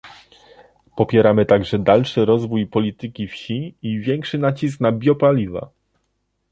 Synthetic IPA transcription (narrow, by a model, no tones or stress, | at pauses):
pɔpʲjɛɾamɘt̪aɡʐɛd̪alʂɘɾɔzvujpɔlʲit̪ɘkʲifɕiivʲjɛŋkʂɘnat͡ɕis̬knabʲjɔpalʲiva̰